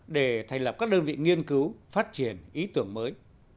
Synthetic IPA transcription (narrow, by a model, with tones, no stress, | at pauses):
ɗe˧˩t̪ʰa˨˩ŋ̟lə˨˩p̚kaː˦˥k̚ɗəː˧nvḭ˧˨ŋi˧ənkɨ˨˦wfaː˦˥t̚t͡ɕi˧˩ənʔi˨˦t̪ɨ˧˩əŋməː˨˦j